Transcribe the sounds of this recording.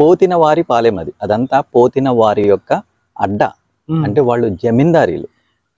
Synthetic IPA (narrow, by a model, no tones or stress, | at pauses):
po̞ːt̪inɐʋaːɾipaːlemɐd̪iɐd̪ɐnt̪aːpo̞ːt̪inɐʋaːɾijɔkːɐ | ɐ̰ɖːɐ̰ | ɐɳʈe̞ːʋaːɭːud͡ʒemind̪aːɾḭːlu